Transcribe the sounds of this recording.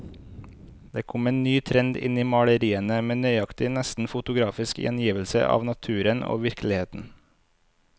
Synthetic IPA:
d̪eːkʰɔmeːnnyːt̪ʰɾɛnd̪ɪ̰niːmɑɽəɾiːənəmeːnœʏɑkt̪ɪnɛst̪n̩fʊt̪ʊɡɾɑːfɪskjʔɛ̰njiːʋəl̩sə̰ʔɑ̰ːʋnɑt̪ʰʉːɾəno̰ːʋɪɾklɪheːt̪n̩

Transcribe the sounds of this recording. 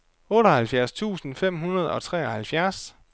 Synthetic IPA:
ɔ̽ːɾɐhælfjæɐst͡sʰṵːsn̩fem̰ɦunɐð̞ˠɒ̽t͡sʰʁɛ̰ːɒ̽hælfjæɐs

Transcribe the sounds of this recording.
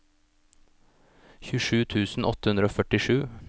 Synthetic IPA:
çʉʃʉːt̪ʰʉːsn̩ʔɔ̰t̪əhʉnd̪ɾəoːfœʈɪʃʉː

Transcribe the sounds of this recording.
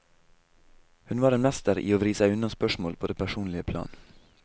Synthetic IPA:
hʉnʋɑːɾɛnmɛst̪əɾʔḭːoːʋɾiːsæɪʉnɑnspœʃmoːlpʰoːd̪ɛpʰæʃuːnlɪəpʰlɑ̰ːn

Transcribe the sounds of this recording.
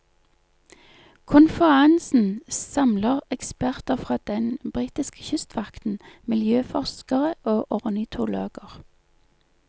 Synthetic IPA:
kʰʊnfəʁɑnsn̩sɑmləʁɛkspæʁt̪əfʁɑːd̪̥ɛnbʁiːt̪ɪskə̥çʏst̪ʋɑkt̪n̩mɪljøːfɔʁskəʁəʔoːʔɔʁnɪt̪ʰʊlo̰ːɡ̥əʁ

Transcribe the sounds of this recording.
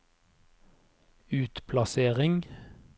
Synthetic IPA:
ʉːt̪pʰlɑseːʁɪŋ

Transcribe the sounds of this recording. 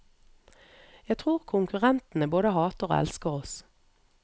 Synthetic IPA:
jæɡt̪ʰʁuːʁkʰʊŋkʉʁɛnt̪n̩əboːd̪əhɑːt̪əʁo̰ːɛ̰lskəʁɔs

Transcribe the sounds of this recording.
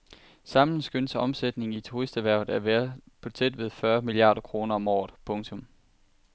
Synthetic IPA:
sɑ̈m̰nn̩sɡ̥ønsɒ̽msed̥ne̝ŋ̩it͡sʰuʁisd̥æʋæɐʊð̩ˠæɐʋeɐpʰɒ̽t͡sʰed̥ʋe̝ðˠfɶɐmiliɑ̰̈ːɾ̥ɐkʰʁo̝ːnɐɒ̽mɒ̰ːð̩ˠpʰɔ̽ŋt͡sʰɔ̽m

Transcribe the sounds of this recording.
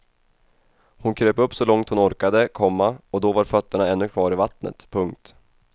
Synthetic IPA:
hʊnkʰɾøːpɵpːsɔlɔŋt̪hʊnɔɾkad̪əkʰɔmːaɔd̪ɔvaɾfœt̪ːəɳaɛnːɵkʰvɑːɾɪvat̪nə̰t̪pʰɵŋk̚t̪

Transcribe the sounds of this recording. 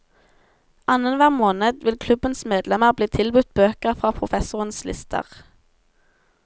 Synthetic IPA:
ʔɑnənʋæːʁmoːnəd̪ʋɪlkʰlʉbənsmeːd̪lɛməʁbliːt̪ʰɪlbʉt̪̚bøːkəʁfʁɑːpʰʁʊfɛsʊʁənslɪ̰st̪ʰə̰ʁ

